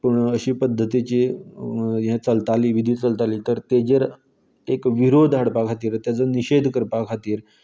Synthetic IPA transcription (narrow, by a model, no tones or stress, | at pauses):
pəɳəɕiːpəd̪ʱːət̪it͡ɕiː | ɦẽt͡səlt̪aliːʋid̪ʱiːt͡səlt̪aliːt̪əɾt̪ed͡ʑeɾ | ekʋiɾod̪ʱɦaɽpakʰat̪iːɾt̪jad͡zəniɕed̪ʱkəɾpakʰat̪iːɾ